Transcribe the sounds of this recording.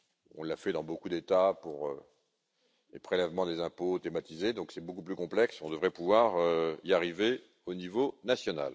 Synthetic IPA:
ɔ̰̃lːafɛd̪ɑ̃bokud̪et̪apuʁø̰ | lepχelɛvmɑ̃d̪ezɛ̃pot̪emat̪ized̪ɔ̃ksɛbokuplykɔ̃plɛksɔ̃d̪əvʁɛpuvwaʁøiaʁive | onivonasjɔna̰l

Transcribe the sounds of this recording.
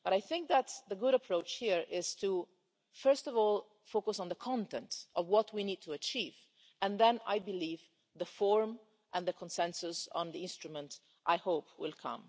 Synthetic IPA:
b̥ʌɾajθɪ̃ŋk̚ðæt̪ðəɡʊɾəpʰɹoʊt͡ʃhiɹʔɪz̥tʰu | fɜ˞stɔvɔlˠ | foʊkəsn̩ðəkʰɑ̃ntɛ̃ntʔɔvwɔtwinid̚tʰəət͡ʃiv | ɨ̃nðɛ̃na̰jbɨliv | ðəfɔɹm | ʔə̃nðəkʰə̃nsɛ̃nsʊsnðiɪ̃nstɹ̥umə̃nt | ʔaɪhoʊpʰwɪlˠkʰʌ̰̃m

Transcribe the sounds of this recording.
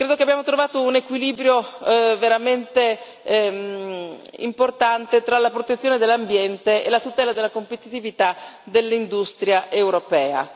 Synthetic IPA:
kɾeːd̪okeabjaːmot̪ɾovaːt̪ounekwiliːbɾjoveɾament̪e | ḭmport̪ant̪et̪ɾalapɾot̪et̪sːjoːned̪elːambjɛnt̪eelat̪ut̪ɛːlad̪elːakompet̪it̪ivit̪ad̪elːind̪ust̪ɾjaʔewɾopɛːa̰

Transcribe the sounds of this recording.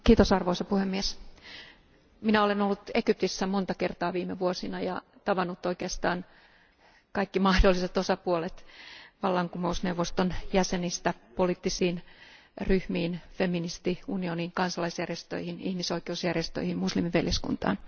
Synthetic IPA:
kiːt̪osɑrʋoisɑpuhemːies | minæolenolːut̪ekyp̚t̪isːæmont̪ɑkert̪ɑːʋiːmeʋuosinɑjɑt̪ɑʋɑnːut̪ːoikeɑst̪ɑːn | kɑikːimɑhdolːiset̪osɑpuolet̪ʋɑlːɑŋkumousneuwʋost̪onjæsenist̪æpoliːt̪ːisiːn | ryhmiːnfeminist̪iunioniŋkɑnsɑlɑisjærjest̪ø̰ihinihmisoikeusjærjest̪ø̰ihimmuslimiʋeljeskṵnt̪ɑ̰ːn

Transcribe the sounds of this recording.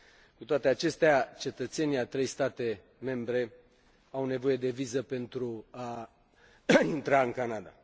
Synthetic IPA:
kut̪oat̪eat͡ʃe̞st̪eat͡ʃe̞t̪ət̪se̞niat̪ɾe̞jst̪at̪e̞ | me̞mbɾe̞ | awne̞vo̞je̞d̪e̞vizəpe̞nt̪ɾua | int̪ɾaɨŋkanad̪a̰

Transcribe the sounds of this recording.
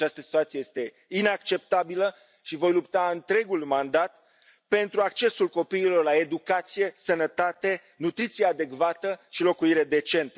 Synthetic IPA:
t͡ʃast̪əsi̥t̪uat̪siejest̪e̞ | inakt͡ʃe̞p̚t̪abilə | ʃivo̞jlupt̪aɨnt̪ɾe̞ɡulmand̪at̪ | pe̞nt̪ɾuak̚t͡ʃe̞sulko̞piːlo̞rlae̞d̪ukat̪sije̞sənət̪at̪e̞ | nut̪ɾit̪sijead̪e̞kvat̪əʃilo̞kuiɾe̞d̪e̞t͡ʃe̞nt̪ə

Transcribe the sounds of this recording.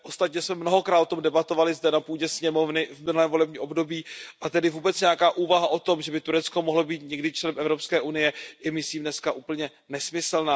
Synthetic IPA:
ʔost̪at̪ɲɛsmɛmnoɦo̞kɾaːt̪ot̪omdɛbat̪ovalɪzdɛnapuːɟɛsɲɛmo̞vnɪvmɪnulɛːmvo̞lɛbɲiːʔo̞bdo̞biːʔat̪ɛdɪvuːbɛt͡sɲɛjakaːʔuːvaɦaʔo̞t̪o̞mʒɛbɪt̪uɾɛt͡sko̞moɦlobiːt̪ɲɛɡdɪt͡ʃlɛnɛmʔɛvɾo̞pskɛːʔunɪjɛjɛmɪsliːmnɛskaʔuːpl̩ɲɛ | nɛsmɪslnaː

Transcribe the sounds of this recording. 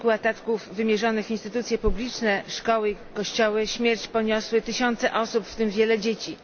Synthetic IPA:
kuat̪at̪kuvːɘmʲjɛʐɔnɘxinst̪ɘt̪ut̪sʲjɛpublʲit͡ʂnɛʂkɔwɘikɔɕt͡ɕɔwɘɕmʲjɛɾt͡ɕpɔɲɔswɘt̪ɘɕɔnt̪sɛʔɔsupft̪ɘmvʲjɛlɛd͡ʑet͡ɕi

